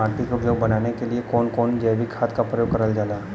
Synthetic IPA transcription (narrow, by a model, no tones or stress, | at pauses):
aːɾʈikʊpjoːɡbɐnaːnekeliekɔːnkɔːnd͡ʒɛːʋikʰaːt̪kapɾəjoːɡkɐɾəld͡ʒaːlaː